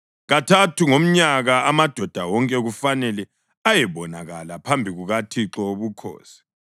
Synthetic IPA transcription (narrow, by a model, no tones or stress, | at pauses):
ɣatʰatʰuŋom̩ɲaɣaamad̥ʱɔd̥ʱawɔŋkʼɛɣufanɛlɛ | ajɛβɔnaɣalapʰambʱiɣuɣatʰiǁɔβukʰɔ̰ːsi̥